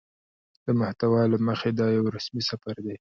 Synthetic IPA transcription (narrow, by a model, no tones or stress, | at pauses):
d̪̥əmaht̪awɑlaməxed̪ɑjawɾasmisafaɾd̪e